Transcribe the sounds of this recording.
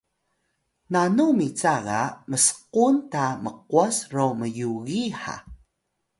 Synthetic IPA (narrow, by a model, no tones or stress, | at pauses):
nanumit͡saɣaməsə̥quntaməquasroməjuɣiħa̰